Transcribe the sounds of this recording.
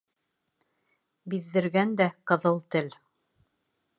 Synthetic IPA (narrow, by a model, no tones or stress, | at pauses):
biðːɘ̆ɾɡænd̪æqɤ̆ðɤlˠt̪ɘl